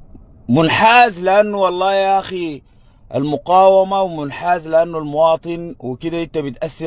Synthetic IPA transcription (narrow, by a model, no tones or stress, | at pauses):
mʊnħaːzlɪʔanːuwɑlˤːɑːʔaxi | ʔa̰lmʊqaːwamawɪmʊnħaːzlɪʔanːulmʊwɑːt̪ˤɨnwɪkid̪aʔɪnt̪abit̪ʔasːɪ